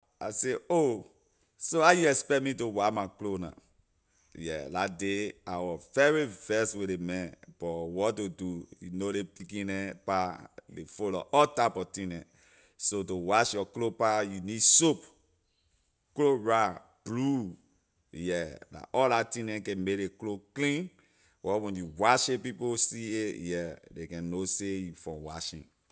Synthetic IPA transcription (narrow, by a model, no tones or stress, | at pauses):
aseo | soajuɛspɛt̚mitowamaklonã̰ | jɛ̰ladeawɔvɛɹifɛswelemɛ̃b̥ɔwɔtodujṵnolepikĩnɛ̃palefolɔ̰ʔɔtapɔtĩnɛ̰̃ | sotowaʃjɔklopajunidsop | kloɹa | b̥lu | jɛda̰ʔɔllatĩnɛ̃kɛ̃meekloklĩn | wʔɔwɛ̃njuwaʃepiposiejɛdekɛ̃nosejufɔ̰̃wa̰ʃḭ̃n